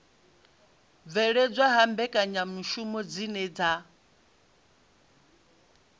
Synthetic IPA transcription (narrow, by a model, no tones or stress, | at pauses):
vɛɺɛd͡zʷwaɦambɛkʼaɲamuʃumɔd͡zinɛd͡za